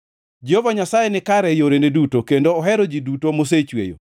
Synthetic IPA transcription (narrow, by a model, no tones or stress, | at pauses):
d͡ʒiovaɲasajenɪkaɾɛjoɾenedutokendoːɦɛɾod͡ʒidutomos̬et͡ʃwḛjo̰